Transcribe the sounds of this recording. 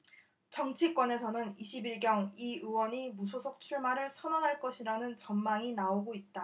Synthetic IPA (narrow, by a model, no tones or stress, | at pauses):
t͡ɕʌŋt͡ɕʰik͈wʌne̞sʰʌnɯniɕʰibiɭɡjʌŋiɯwʌɲimusʰosʰok̚t͡ɕʰuɭmaɾɯɭsʰʌnaŋɦaɭk͈ʌɕʰiɾanɯnt͡ɕʌnmaŋinaoɡoit̚t͈a